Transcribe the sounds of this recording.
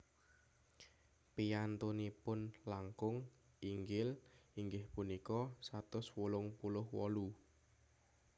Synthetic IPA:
pijant̪unipʊnlaŋkʊŋ | iŋɡɪliŋɡɪhpunikɔsat̪ʊswulʊŋpulʊhwɔlu

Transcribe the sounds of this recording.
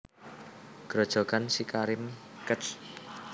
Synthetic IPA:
ɡ̥ɾɔd̥ʒ̥ɔ̤ɡansikaɾɪmkəs

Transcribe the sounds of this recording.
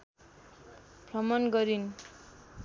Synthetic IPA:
brʌmʌnɡʌɾin

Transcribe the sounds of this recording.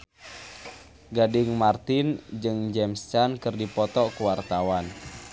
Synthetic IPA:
ɡadɪŋmart̪ɪnd͡ʒɨŋd͡ʒɛmst͡ʃankɨrdipɔt̪ɔkuwart̪awan

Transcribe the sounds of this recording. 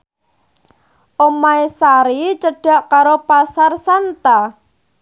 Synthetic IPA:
ʔomaisaɾit͡ʃəɖ̥a̤ʔkaɾopasarsant̪a

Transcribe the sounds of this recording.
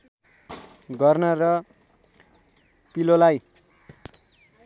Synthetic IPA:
ɡʌrnʌrʌ | pilolaj

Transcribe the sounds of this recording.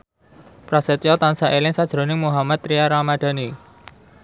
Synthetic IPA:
pɾasɛt̪jɔt̪ansaʔelɪŋsad̥ʒ̥ɾo̤nɪŋmuɦamat̪ːɾijaɾamad̥a̤ni

